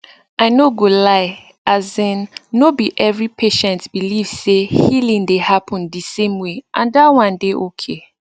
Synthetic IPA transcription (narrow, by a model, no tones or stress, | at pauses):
aɪnoɡolaɪ | ʔazɛ̃nːobiʔɛvɹipʰeʃɛ̃ntbiliv̥sehilĩŋdehapʰɔ̃ndisẽmweʔãndawãndeʔokʰe